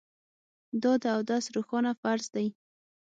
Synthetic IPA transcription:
d̪ɑd̪əawd̪asɾoxɑnafaɾzd̪aj

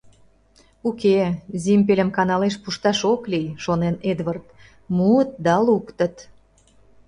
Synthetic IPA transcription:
ukezʲimʲpelʲəmkɑnɑleʃpuʃt̪ɑʃoklijʃonened̪vərt̪ | muət̪̚d̪ɑlukt̪ət̪

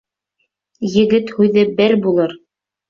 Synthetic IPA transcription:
jɘ̆ɡɘt̪hʉðɘbɘɾbulˠɤɾ

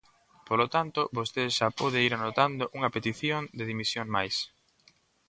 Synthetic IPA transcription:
polot̪ant̪obost̪eʃapoðeiɾanot̪and̪oʔuŋɐpet̪iθjond̪eðimisjoŋmajs

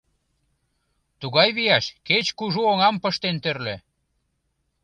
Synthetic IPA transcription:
t̪uɣɑjβijɑʃket͡ɕkuʒuoŋɑmpəʃt̪ent̪ørle

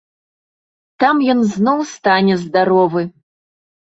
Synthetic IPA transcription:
t̪amjɔnznɔwst̪anʲɛzd̪aɾɔvɨ

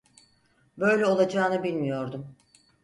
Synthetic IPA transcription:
bø̞jlʲɛo̞lˠad͡ʒaːnɯbilʲmijo̞ɾd̪um

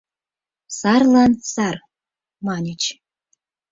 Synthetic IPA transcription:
sɑrlˠɑnsɑr | mɑnʲit͡ɕ

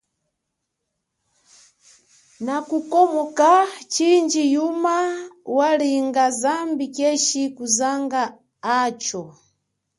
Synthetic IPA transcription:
nakukɔmɔkat͡ʃind͡ʒijumawaliŋɡazambikɛʃikuzaŋɡaː | t͡ʃɔ

